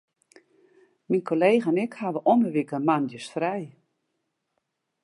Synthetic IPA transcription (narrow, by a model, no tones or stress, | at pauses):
minkʰoleːɣəanɪkhaʋəʔɔnəʋikəmandjəsfrɛj